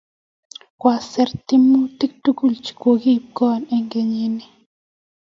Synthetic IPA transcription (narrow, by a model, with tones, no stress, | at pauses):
kwa˨sɛ˨ɾt̪i˦mu˦t̪i˦k̚tu˦ku˦˨lt͡ʃi̥˨ko˨ɡi˦˨b̚ɡɔ˦˨ne˦ŋɡe˨ɲi˦ni˦